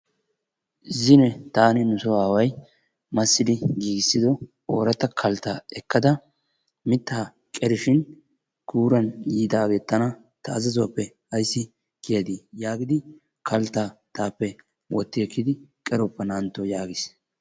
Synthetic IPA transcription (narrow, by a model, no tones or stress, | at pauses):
zɪnɛt̪aːnɪnʊsɔaːwɐj | mɐsːɪd̪ɪɡiːɡɪsːɪd̪ɔ | oːɾɐt̪ːɐkʰɐlt̪ːaɛkːɐd̪ɐ | mɪt̪ːaː | kʼɛɾɪʃɪn | ɡuːɾɐnjiːt̪aːɡeːt̪ːɐnɐ | t̪ɐːzɐzɔɐpːɛ | ɐjsːɪ | kɪjɐd̪ijaːɡɪd̪ɪ | kʰɐlt̪ːat̪aːpːɛ | wɔt̪ːɪɛkːɪd̪ɪkʼɛɾɔpːɛnaːnt̪ːɔjaːɡɪs